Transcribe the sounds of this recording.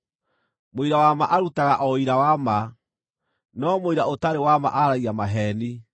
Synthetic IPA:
moiɾawamaʔaɾutaɣaʔɔiɾawama | nɔmoiɾaotaɾewama̰ʔaɾaiamaɦɛni

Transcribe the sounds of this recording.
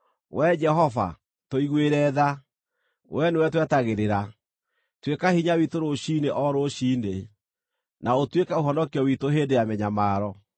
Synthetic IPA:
wɛd͡ʒɛɦɔva̰ | toiɣweɾɛːða | wʔɛnewɛtwɛtaɣeɾeɾa | twekahiɲawitoɾoʃineʔɔɾoʃiːne | nʔaotwekaoɦɔnɔkiɔwitoɦeːndejamɛɲamaːɾɔ

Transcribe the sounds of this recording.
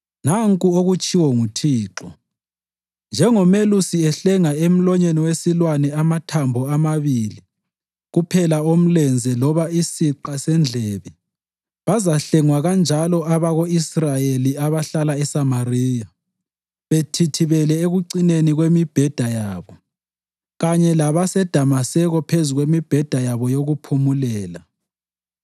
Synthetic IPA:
naŋkʼuoɣut͡ʃʼiwɔŋutʰiːǁɔ | nd͡ʒʱɛŋɔmelusiɛɬɛŋaem̩lɔɲeniwesilwanɛamatʰambʱɔamaβili | ɣupʰɛlaom̩lɛnd͡zʱɛlɔβaisiǃasɛnd͡ɮʱɛβɛ | βazaɬɛŋwaɣand͡ʒʱalɔʔaβaɣoisrajeliaβaɬalaɛsamariːja | βetʰitʰiβɛlɛeɣuǀineniɣwemib̥ʱɛd̥ʱajaːβɔ | ɣaɲɛlaβasɛd̥ʱamasɛɣɔpʰezuɣwemib̥ʱɛd̥ʱajaβɔjoɣupʰumulɛːla

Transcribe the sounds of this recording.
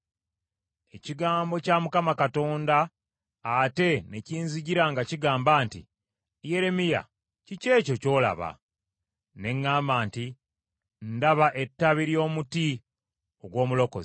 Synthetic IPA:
e̞ciɡaːmbo̞camukamakato̞ːndaː | te̞neciːnziɟiɾaŋɡaciɡaːmbaːntḭ | je̞ɾe̞mija̰ | cice̞ːco̞co̞ːla̰βa̰ | ne̞ŋːaːmaːnti | ndaβaʔe̞tːaβiɾjo̞ːmuti | oɡwo̞ːmulo̞ko̰zi

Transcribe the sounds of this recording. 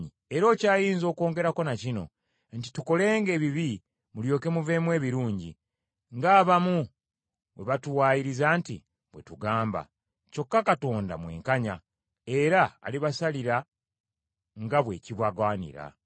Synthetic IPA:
ɲi | eɾo̞ːcaːjiːnzo̞ːko̞ːŋɡe̞ɾako̞nacino̞̰ | nti̥tuko̞le̞ːŋɡe̞ːβiβi | muljo̞ːke̞muve̞ːmwe̞ːβiɾuːɲɟḭ | ŋɡaːβamu | we̞̰βatuwaːjiɾizaːntḭ | βwe̞tuɡaːmba̰ | co̞kːakato̞ːnda̰mwe̞̰ːŋkaɲa | e̞ɾa̰ːliβasaliɾa | ŋɡaβwe̞ːciβwaɡaːnḭɾa̰

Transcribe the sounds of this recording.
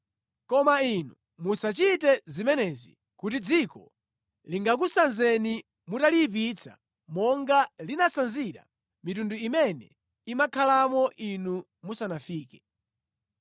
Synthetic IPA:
kɔmainu | musat͡ʃitɛzimɛnɛzḭ | kutid͡zikɔ̰ | liŋɡak̬usanzɛni | mutalip̬it͡sʰa̰ | mɔŋɡalinasanziɾa̰ | mitunduimɛnɛ̰ | imakʰalamɔʔinu | musanafiːkɛ

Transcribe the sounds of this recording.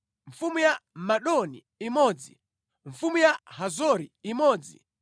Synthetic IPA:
ɱ̩fumujamaɗɔni | imɔːd͡zi | ɱ̩fumujahazɔɾiimɔːd͡zḭ

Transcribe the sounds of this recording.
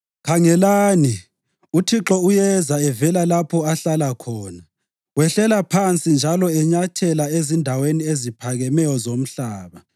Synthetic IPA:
kʰaŋɛlaːni | utʰiǁɔujɛzaɛvɛlalapʰɔaɬalakʰɔːna | wɛɬɛlapʰant͡sʼind͡ʒʱalɔɛɲatʰɛlaezindʱaweniezipʰaɣɛmɛjɔzom̩ɬaːβa

